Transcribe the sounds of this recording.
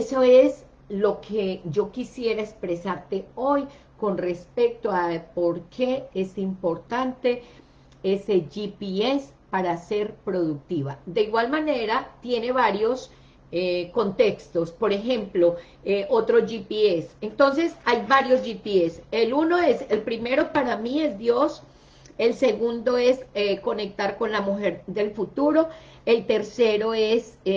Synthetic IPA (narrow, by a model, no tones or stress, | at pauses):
esoe̞s | lo̞kʰed͡ʒo̞kisje̞ɾaekspɾe̞saɾt̪e̞o̞j | ko̞nre̞spe̞k̚t̪o̞apo̞ɾkʰe̞esimpo̞ɾt̪ant̪e | ese̞ʝipies | paɾase̞ɾpɾo̞ðuk̚t̪iβad̪e̞iɣwalmane̞ɾat̪je̞ne̞βaɾjo̞s | eko̞nt̪e̞kst̪o̞spo̞ɾe̞xẽ̞mplo | eot̪ɾo̞ʝipiesent̪o̞ns̬e̞sajbaɾjo̞zʝipieseluno̞eselpɾime̞ɾo̞paɾamie̞zd̪jo̞s | e̞lse̞ɣund̪o̞e̞seko̞ne̞k̚t̪aɾko̞nlamuxe̞ɾd̪e̞lfut̪uɾo̞ | elt̪e̞ɾse̞ɾo̞e̞s